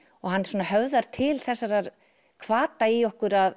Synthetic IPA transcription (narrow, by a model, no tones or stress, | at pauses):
ɔɣhanːsɔːnahœvðaɾ̥t̪ʰɪlθɛsːaɾaɾ | kʰvaːt̪aiɔhkʏɾað